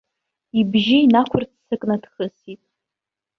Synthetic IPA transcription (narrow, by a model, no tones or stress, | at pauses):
ibʒiinakʷʰʊrt͡ssɨkʼnad̥χəsitʼ